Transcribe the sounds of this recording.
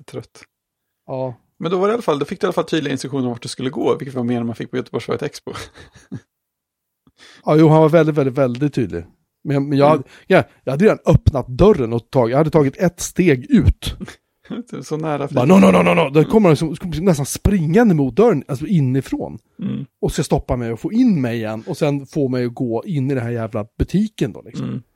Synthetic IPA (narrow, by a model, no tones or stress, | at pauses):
t̪ʰɾœt̪ː | ɑː | mɛnd̪ɔvaɖɛalafald̪ɔfɪk̚ːd̪ɛalːafalt̪ʰyːd̪lɪɡaɪnst̪ɾɵkɧuːnəɾɔvaʈ̚d̪ɛskɵlːəɡoːvɪkːət̪vaɾmeːnmanfɪk̚pʰɔjœt̪əbɔʂfœ̰ɾət̪ʰɛkspɔ | ɑːjuːhanvaɾvɛlɪt̪vɛld̪ɪt̪vɛld̪ɪt̪ʰːyːd̪lɪ̰ | mɛnjɑmɛnjɑːhad̪ːəɡaajɑhad̪əɾeːd̪anœpnat̪̚d̪œɾənɔt̪ʰːɑːɡjaɡhad̪ət̪ʰɑːɡɪt̪ɛt̪ːst̪eːɡʉ̟ːt̪ | sɔnæːɾabbɑɾnɔnɔnɔnɔnɔd̪kʰɔməɾnlɪksɔmʰɔlɪsnɛst̪anspɾɪŋːand̪əmuːt̪̚d̪œɾənalsɔɪnːɪfɾo̰ːn | ɔskast̪ɔpːamɛjɔfoːɪnːmɛjɪjɛ̰nːɔsɛnfoːmɛjɔɡoːɪnːɪd̪ɛnhæːɾjæːvlabɵt̪ʰiːkənd̪ɔ̰lɪksɔ̰m